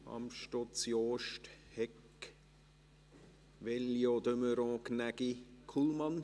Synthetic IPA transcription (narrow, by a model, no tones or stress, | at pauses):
ɑ̰mʃtɔt͡sjoːʃthɛk | ʋɛljod̪øməɾɔ̃knæɡ̥ikʰulmɑn